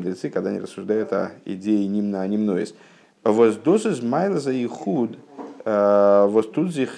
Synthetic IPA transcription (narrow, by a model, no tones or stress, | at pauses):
d̪ɾʲɪt̪sɨkɐɡd̪anʲḭrəsːʊʐd̪ajʊt̪ɐ̰ɪ̰dʲejɪnʲimnɐːnʲimnojɪ̰sʲ | vozd̪osɨzʲmajlˠəzɐjɪxud̪ | vost̪ud̪zʲix